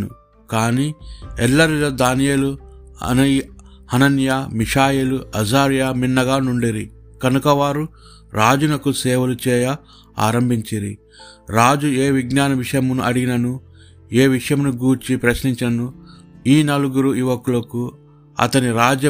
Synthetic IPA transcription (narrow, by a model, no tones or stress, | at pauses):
nṵ | kaːniːɛlːɐɾiloːd̪aːnijeːluɐ̰nɐ | hɐnɐnjamiʂaːjeluɐzaːɾjaminːɐɡaːnuɳɖiɾi | kɐnukɐʋaːɾu | ɾaːd͡ʒunɐkusɛːʋɐlut͡ʃɛːjɐ | a̰ːɾɐmbʱiɲt͡ʃiɾḭ | ɾaːd͡ʒueːʋiɡnaːnɐʋiʂɐjɐmunuʔɐɽiɡinɐnu | eːʋiʂɐjɐmnuɡuːɾt͡ʃipɾɐʃniɲt͡ʃɐnɐnuiːnɐluɡuɾuiʋɐkulɐku | ɐ̰t̪ɐniɾaːd͡ʒjɐ